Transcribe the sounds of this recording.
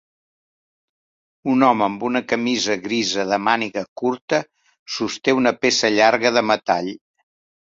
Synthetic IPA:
unɔməːmbunəkəmizəɣɾizəðəmaniɣəkuɾt̪ə | sust̪eunəpesəʎaɾɣəðəmət̪aʎ

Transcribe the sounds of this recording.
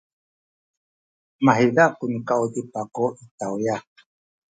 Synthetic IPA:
maɦilakunkaud̪ipakoʔit̪awja

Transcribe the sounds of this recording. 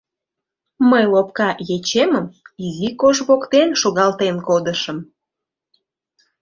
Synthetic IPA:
məjlopkɑjet͡ɕeməmizikoʒβokt̪enʃoɣɑlt̪enkod̪əʃəm

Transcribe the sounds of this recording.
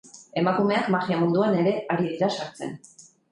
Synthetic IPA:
e̞makume̞akmaɣiamund̪uane̞ɾe̞aɾiðiɾasaɾt͡se̞̰n

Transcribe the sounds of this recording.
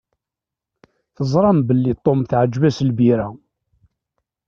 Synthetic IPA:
θəzˤɾˤɑmbəlːit̪ˤːomθʕəd͡ʒːvæslbiɾæ

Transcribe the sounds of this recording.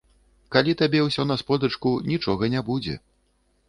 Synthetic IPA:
kalʲit̪abʲɛwsʲɔnɐspɔd̪ɐt͡ʂkunʲit͡ʂɔɣɐnʲabud͡zʲɛ̰

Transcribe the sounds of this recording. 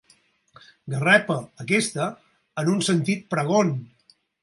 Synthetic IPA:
ɡərɛpəəkest̪əː | nunsənt̪it̪̚pɾəɣon

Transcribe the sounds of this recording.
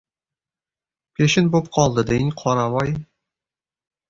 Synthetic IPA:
pʲeʃɪnbop̚qʰɒlˠd̪əd̪einʲqʰɒɾɑmɑj

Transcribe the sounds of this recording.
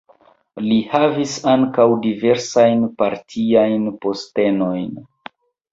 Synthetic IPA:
lihavisaŋkawdive̞ɾsajnpaɾtʰiajnpo̞ste̞no̞jn

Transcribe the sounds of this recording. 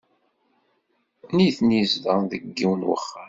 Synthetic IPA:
niθnizðəðəɡːiwənwə̰χːa

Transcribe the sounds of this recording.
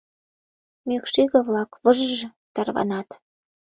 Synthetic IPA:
møkʃiɣə̆βlɑkβəʒʒɤ̆ | t̪ɑrβɑ̰nɑt̪

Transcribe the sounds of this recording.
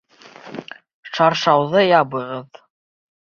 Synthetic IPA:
ʃɑɾʃɑwðɤjɑbɤ̆ʁɤð

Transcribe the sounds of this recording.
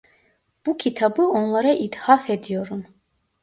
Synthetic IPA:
b̥ucʲʰit̪ʰabɯo̞nlˠaɾaʔid̪hafed̪ijo̞ɾun

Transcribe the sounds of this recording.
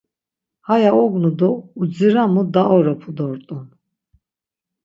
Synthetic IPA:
hajaɔɡnud̪ɔud͡ziɾamud̪aɔɾɔpʰud̪ɔɾt̪ʼɔn

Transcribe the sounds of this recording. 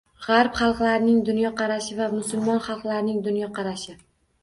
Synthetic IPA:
ʁaɾpχɑlˠqlaɾnɪŋd̪ʊnjɒqʰɑɾaʃɪvamʊsʊlmɒnχɑlˠqlaɾnɪŋd̪ʊnjɒqʰɑɾaʃɪ

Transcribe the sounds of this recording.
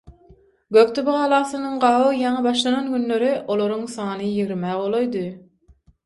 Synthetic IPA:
ɡøk̚t̪ʰobʁɑːlˠɑːsɯnɯŋɢɑːʁɯjɑŋɑbɑʃlˠɑnɑnɡynløɾiʔo̞lˠoɾuŋsɑːnɯjiɣɾmæːʁo̞lˠojd̪ɯ

